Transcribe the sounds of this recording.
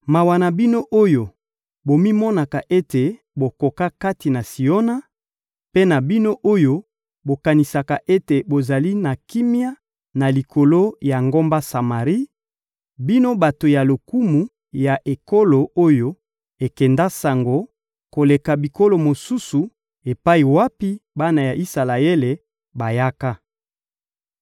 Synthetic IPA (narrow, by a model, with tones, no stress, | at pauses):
ma˨wa˨na˨bi˦no˦ʔo˦jo˨ | bo˨mi˦mɔ˦na˨ka˨ʔe˦te˨ | bo˨ko˨ka˦ka˦ti˨na˨si˨o˦na˦ | pe˦na˨bi˦no˦ʔo˦jo˦ | bo˨ka˨ni˨sa˨ka˨ʔe˦te˨bo˨za˨li˦na˨ki˦mi˦a˦ | na˨li˨kʰo˨lo˦ja˨ŋɡo˦mba˦sa˨ma˨ʁi˦ | bi˦no˦ba˨to˨ja˨lo˨ku˦mu˨ | ja˨ʔe˨ko˦lo˨o˦jo˦ | e˨kɛ˨nda˦sa˨ŋɡo˨ | ko˨le˨ka˨bi˨ko˦lo˨mo˨su˦su˨ | e˨pa˦i˨wa˦pi˦ba˦na˨ja˨ʔi˦sa˨la˨e˦le˨ | ba˨ja˦ka˦